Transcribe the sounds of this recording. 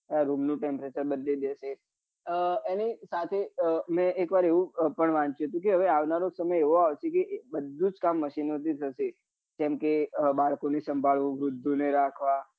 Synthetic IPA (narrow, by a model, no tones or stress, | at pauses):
aɾumnũʈempɾet͡ʃəɾbəd̪led̪eʃe | enisat̪ʰemɛ̃ekʋaɾeʋũpəɳʋãɲt͡ʃjuɦət̪ũk̬eɦəʋeaʋnaɾõsəməjeʋoaʋt͡ʃʰekebəd̪ʱːũd͡ʒkamːəʃinot̪ʰit̪ʰəʃe | d͡ʒɛmkebaɭkonesəmbʱaɭʋũʋɾʊd̪ʱːuneɾakʰʋa